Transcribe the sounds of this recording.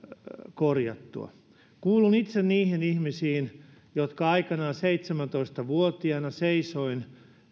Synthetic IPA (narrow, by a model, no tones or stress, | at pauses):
korjɑ̰t̪ːṵɑ̰ | kuːlunit̪senniːhinihmisiːn | jot̪kɑɑikɑnɑːseit̪semænt̪oist̪ɑʋuot̪iɑnɑseisoin